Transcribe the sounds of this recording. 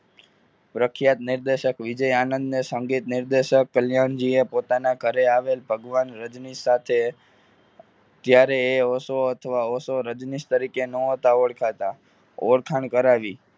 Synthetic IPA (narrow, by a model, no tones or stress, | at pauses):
pɾəkʰjat̪nɪɾd̪eʃəkʋɪd͡ʒəjanə̃nd̪nesəŋɡit̪nɪɾd̪eʃəkːəljand͡ʒiepot̪anaɡʱəɾeaʋelbʱəɡʋanɾəd͡ʒnisat̪ʰe | t̪jaɾeːosoət̪ʰəʋaosoɾəd͡ʒnist̪əɾikenoot̪aoɽkʰat̪a | oɽkʰaɳkəɾaʋi